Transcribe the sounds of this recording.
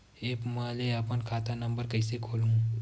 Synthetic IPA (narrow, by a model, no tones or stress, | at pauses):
eːpmaleɐpənkʰaːt̪anɐ̃mbəɾkɐisekʰoːlũ